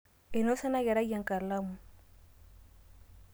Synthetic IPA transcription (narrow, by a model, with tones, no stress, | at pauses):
e˨no˦sa˦na˦ja˨ɾa˦ja˨ŋ˨ka˨ɾla˦mu˨